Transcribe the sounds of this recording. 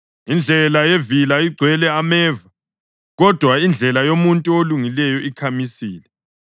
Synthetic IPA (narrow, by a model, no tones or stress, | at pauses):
ind͡ɮʱɛlajevilaiɡ͡ǀʱwɛlɛamɛːva | ɣɔd̥ʱwaind͡ɮʱɛlajomuntʼuoluŋilɛjɔikʰamisiːlɛ